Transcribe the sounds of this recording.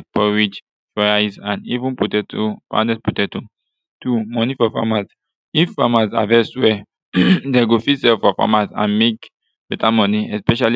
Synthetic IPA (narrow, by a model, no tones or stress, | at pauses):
pʰɔwid͡ʒ | fajzãndivũnput̪ɛt̪ʰupã̰ndɛsput̪ɛt̪u | t̪ʰumɔnifɔfa̰maz | ifamaza̰ðɛswɛ | d̪ɛɡufisɛfɔfɔ̰maza̰miɡ | bɛt̪ʼamɔniɛspɛʃal